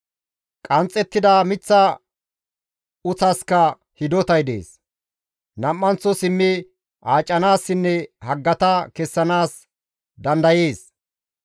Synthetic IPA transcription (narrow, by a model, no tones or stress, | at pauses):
kʼɐnt͡sʼːɛt̪ːɪd̪amɪt͡sːɐ | ʊt͡sɐskɐ | hɪd̪ɔt̪ɐjd̪ḛːs | nɐmːɐnt͡sːɔsɪmːɪ | ʔaːt͡ʃʼːɐnaːsːɪnːɛhɐɡːɐt̪ɐkɛsːɐnaːs | d̪ɐnd̪ɐjeːs